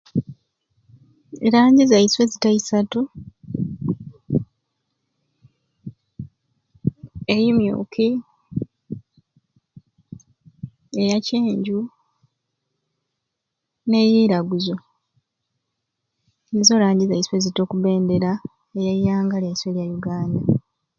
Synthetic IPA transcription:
elaːɲɟizaiswe̞zitaisatu | ejimjṵːkʰi | e̞jaceːɲɟu | ne̞jiːɾaɡuzo | nezo̞ːlaːɲɟizaiswe̞zito̞ːkuβe̞ːnde̞ɾa | ejajaːŋɡaljaisweljajuɡaːnda

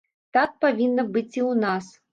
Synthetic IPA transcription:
t̪ak̪̚pavʲinːɐbɨt͡sʲiwnas

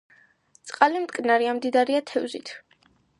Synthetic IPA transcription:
t̪sʼqʼalimt̪ʼkʼnaɾiamd̪id̪aɾiat̪ʰɛvzit̪ʰ

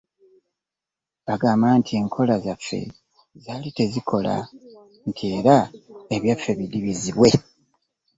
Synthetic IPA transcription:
baɡaːmaːntʰie̞ŋkʰo̞lazafːe̞̰ | zaːlite̞zikʰo̞la̰ | ntʰie̞ːɾae̞βjafːe̞βidiβiziβwe̞

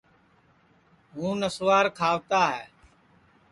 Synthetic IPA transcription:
ɦũːnəsʋaːɾkʰaːʋt̪aːɦɛː

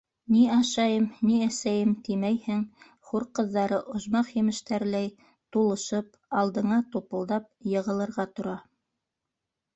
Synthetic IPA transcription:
niɑʃɑjɤmniæsæjɘmt̪imæjhɘŋ | χuɾqɤ̆ðːɑɾɤʔŏʒmɑqjɘ̆mɘ̆ʃt̪æɾlæj | t̪ulˠɤ̆ʃɤp | ɑlˠd̪ɤ̆ɴɑt̪upɤ̆lˠd̪ɑp̚jɤ̆ʁɤ̆lˠɤ̆ɾʁɑt̪ŏɾɑ

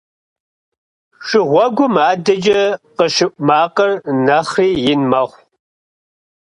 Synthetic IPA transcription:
ʂɨʁʷɔɡʷʊmaːdɐd͡ʒɐqəʃɨpʼmaːqɐrnɐχriːjɪnmɐʁʷ

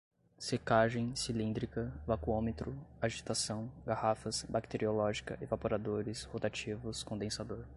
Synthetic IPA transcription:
sekaʒẽj̃silĩnd̪ɾikɐvakuõmet̪ɾʊaʒit̪asɐ̃w̃ɡahafɐsbakt̪eɾiolɔʒikɐ̰ʔevapoɾad̪oɾɪshot̪at͡ʃivʊskõd̪ẽsad̪oɾ

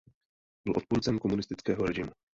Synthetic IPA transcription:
bɪlʔo̞t̪puːɾt͡sɛmko̞munɪst̪ɪt͡skɛːɦoɾɛʒɪmu

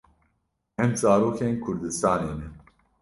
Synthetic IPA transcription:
ɛmzɑːɾoːkʰeːnkʰʊɾd̪ɨst̪ɑːneːnɛ

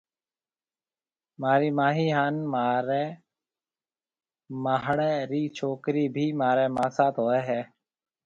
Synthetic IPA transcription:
maːɾiːmaːɦiːɦaːnmaːɾeː | maːɦɽeːɾiːt͡ʃʰoːkɾiːbʱiːmaːɾeːmãːsaːt̪ɦoːɛːɦɛː

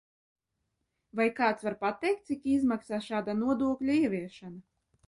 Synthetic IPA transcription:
vajkaːt̪svaɾpat̪ɛjk̚t̪sʲikizmaksaːʃaːd̪anuɔd̪uɔklʲuiɛvʲiɛʃana

